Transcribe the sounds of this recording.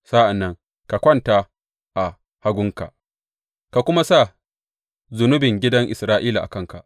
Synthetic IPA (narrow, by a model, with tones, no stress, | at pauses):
sa˦ʔa˨nːɐ˦ŋ | ka˨kʷɐ˦˨nta˨ | ʔa˨ | ha˦ɡʷʊ˦ŋka̰˨ʔ | ka˨kʷʊ˦ma˦sa˦˨ | zʊ˨nʊ˦bɪ˨ŋɡʲɪ˦dɐ˦ŋʔɪ̰˨sɾaː˦ʔiː˦la˨ʔa̰˨kɐ˦ŋka˨ʔ